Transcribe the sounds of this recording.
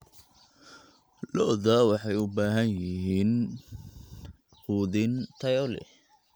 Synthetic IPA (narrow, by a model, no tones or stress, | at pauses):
lɔðɐwɑħɑjʊbaːɦɐnjɪɦiːn | uːðɪnt̪ʰɐjɔlɛ̰